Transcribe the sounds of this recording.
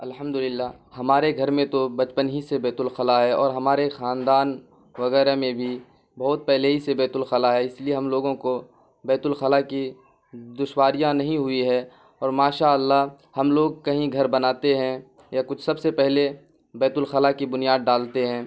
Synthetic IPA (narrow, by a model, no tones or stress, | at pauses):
ɐlɦəmd̪ʊlɪlːaː | hɐmaːɾeɡʱɐɾmẽt̪obɐt͡ʃpənɦisebɛːt̪ʊlxɐlaɦɛɔːɾɦɐmaːɾexaːnd̪aːn | ʋɐɣɛːɾemẽbʱi | bɐːʊt̪̚pɛɦleɦisebɛːt̪ʊlxɐlaɦɛɪslieɦɐmloːɡõko | bɛːt̪ʊlxɐlaki | d̪ʊʃwaːɾijãnɐɦĩɦʊiɦɛ | ɔːɾmaːʃaːəlːaɦ | hɐmloːɡ̚kɐɦĩɡʱɐɾbɐnaːt̪eɦɛ̃ | jakʊt͡ʃʰsɐbsepɛɦle | bɛːt̪ʊlxɐlakibʊnijaːd̪̚ɖaːlt̪eɦɛ̃ː